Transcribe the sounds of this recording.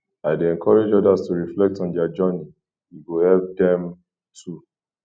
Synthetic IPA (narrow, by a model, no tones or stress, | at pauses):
aɪdeɛ̃nkʰɔɹed͡ʒɔdastuɹiflɛk̚tɔ̃ndɛad͡ʒɔni | jiɡuhɛlp̚dɛ̃m | tʰu